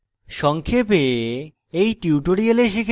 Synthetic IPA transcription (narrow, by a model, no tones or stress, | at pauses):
ʃɔŋkʰepe | ejʈiuʈoɾieleʃekʰ